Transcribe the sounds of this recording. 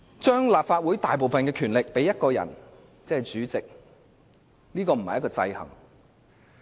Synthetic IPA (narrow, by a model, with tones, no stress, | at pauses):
t͡ʃœː˥ŋlaː˨p̚faː˧t̚wuː˨˥jt̪aː˨jp̬o˨wfɐ˨nkɛː˧kʰyː˨˩nlɪ˨k̚pe˨˥jːɐ˥t̚kɔː˧jɐ̰˨˩n | t͡sɛː˥hɐ˨˩jt͡ʃyː˨˥t͡sɪ˨k̚ | niː˥kɔː˧m̩˨˩hɐ˨jɐ˥kɔː˧t͡sɐ̰˧jhɐ̰˨˩ŋ